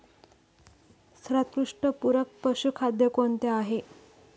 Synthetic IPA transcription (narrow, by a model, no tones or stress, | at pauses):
st̪ɾat̪̚kɾuʂʈəpuɾək̚pəɕukʰad̪jəkoɳt̪eaɦe